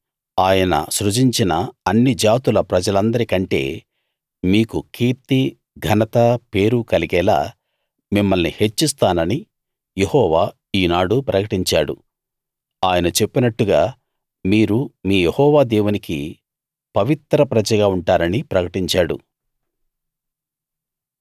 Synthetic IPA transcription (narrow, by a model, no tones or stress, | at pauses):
aːjɐnɐ̰sɾud͡ʒiɲt͡ʃinɐɐnːid͡ʒaːt̪ulɐpɾɐd͡ʒɐlɐnd̪ɐɾikɐɳʈe̞̰ː | miːkukiːɾt̪i | ɡʱɐnɐt̪ɐpe̞ːɾukɐliɡɛːla̰ː | mimːɐlnihe̞t͡ʃːist̪aːnɐni | je̞hɔːʋaː | iːnaːɽupɾɐkɐʈiɲt͡ʃaːɽṵ | aːjɐnɐt͡ʃe̞pːinɐʈːuɡaː | miːɾumiːjehɔːʋaːd̪ɛːwunikḭ | pɐʋit̪ɾɐpɾɐd͡ʒɐɡaːuɳʈaːɾɐnipɾɐkɐʈiɲt͡ʃaːɽṵ